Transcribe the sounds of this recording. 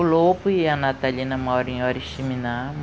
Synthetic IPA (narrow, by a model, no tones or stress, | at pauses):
lopʊiɐnat̪alinɐmɔɾɐ̃ẽɔɾiʃiminam